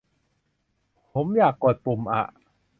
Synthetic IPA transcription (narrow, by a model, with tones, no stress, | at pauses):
ppʰo˩˦mjaː˨˩kːo˨˩t̪̚pu˨˩mʔa̰˨˩ʔ